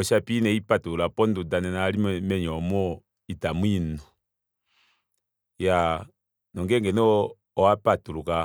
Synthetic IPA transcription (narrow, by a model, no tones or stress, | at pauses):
ɔʃapinɛipatuulapɔndudanɛnalimmɛɲɔmɔ | itamwinɔ | ja | nɔŋɡɛŋɡɛnɔ | ɔapatuluka